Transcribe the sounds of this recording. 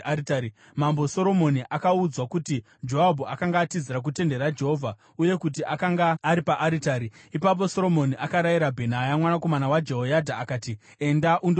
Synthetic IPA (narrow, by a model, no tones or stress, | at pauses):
mambo̞so̞ɾo̞mo̞niʔakaud͡zwakuti | d͡ʒo̞abʱuakaŋɡaːtiziɾak̬ute̞nde̞ɾad͡ʒe̞ɦo̞vʱa | uje̞kut̬iʔakaŋɡaːɾipaʔaɾitaːɾiipap̬o̞so̞ɾo̞mo̞niʔakaɾajiɾabʱe̞najamwanako̞manawad͡ʒeɦojadʱaːkaːti | e̞ndaʔund